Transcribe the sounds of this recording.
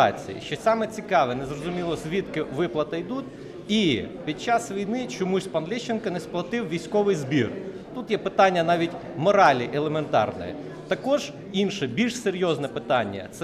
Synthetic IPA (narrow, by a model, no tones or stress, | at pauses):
ɑ̰t͡sʲḭjḭʃt͡ʃɔsɑmɛt͡sʲikɑʋɛnɛzrɔzʊmʲilˠɔsʲʋʲit̪kɪʋɪplˠɐt̪ɐjd̪ut̪ʲ | ipʲid̪̚t͡ʃɑsʋʲijnɪt͡ʃɔmusʲpɐnlʲiʃt͡ʃːenkɐnɛsplˠɐt̪ɪwʋʲijsʲkɔʋɪjzbʲir | t̪ut̪jɛpɪt̪ɑnʲːɐnɑʋʲitʲ | mɔɾɑlʲiʔelˠement̪ɑ̰rnɪ̰jɛ̰ | t̪ɐkɔʒ | inʃɛbʲilʲʃseɾʲjɔznɛpɪt̪ɑnʲːɐ̰t̪s